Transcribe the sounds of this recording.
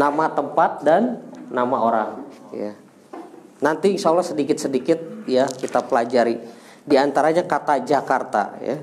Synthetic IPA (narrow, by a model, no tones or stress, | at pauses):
namat̪əmpat̪̚danːamaoɾaŋja̰ | nant̪isaulasədikɪt̪̚sədikɪt̪̚jakit̪apəlad͡ʒaɾi | diant̪aɾaɲakat̪ad͡ʒakart̪a̰ja̰